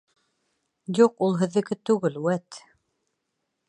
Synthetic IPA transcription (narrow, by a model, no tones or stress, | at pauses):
juqulˠɦɘ̆ðːɘ̆ɡɘt̪ʉɡɘlwæt̪